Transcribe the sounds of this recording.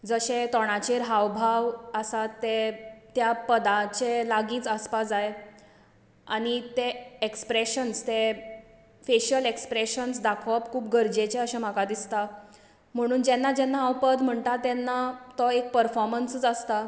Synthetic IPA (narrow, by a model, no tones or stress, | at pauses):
d͡zəɕẽt̪ɔɽ̃at͡ɕeɾɦawbʱaʋəsat̪ːet̪japəd̪at͡ɕelaɡiːt͡saspad͡zaj | aɽ̃it̪eekspɾeɕənst̪e | feɕəlekspɾeɕənsd̪akʰɔpkʰuːpɡəɾd͡ʑet͡ɕeəɕem̤akad̪ist̪a | m̤əɽ̃uːnd͡ʑɛnːad͡ʑɛnːaːwpəd̪m̤əɳt̪at̪ɛnːat̪ɔek̚pəɾfɔɾmənsət͡səst̪a